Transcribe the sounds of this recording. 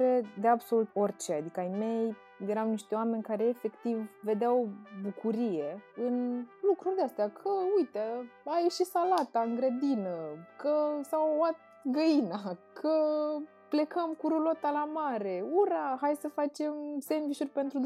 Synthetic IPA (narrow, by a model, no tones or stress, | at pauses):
ɾed̪e̞abso̞lut̪o̞rʲt͡ʃead̪ikəajme̞j | je̞ɾamniʃt̪e̞oame̞nʲkaɾe̞ːfe̞kt̪ivːe̞d̪eawbukuɾije̞ɨnlukɾurʲd̪east̪eakʰəujt̪eajeʃisalat̪aɨŋɡɾed̪inəkəsawat̪̚ɡəjinakʰə | ple̞kəmkuɾulot̪alamaɾe̞uɾaɦajsəfat͡ʃe̞mse̞mviʃurʲpe̞nt̪ɾud̪